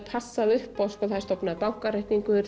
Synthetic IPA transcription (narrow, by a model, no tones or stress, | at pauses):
pʰasːaðʏhpawskɔθajst̪ɔpnaðpawŋ̥kaɾajht̪niŋkʏɾ